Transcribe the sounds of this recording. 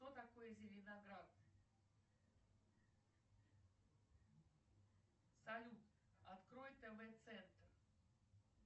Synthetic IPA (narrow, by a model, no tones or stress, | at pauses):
t̪ot̪ɐkojəzʲɪlʲɪnaɡɾat̪ | sɐlʲut̪ | ɐt̪kɾojɪt̪ːɛvɛt̪sɛnt̪r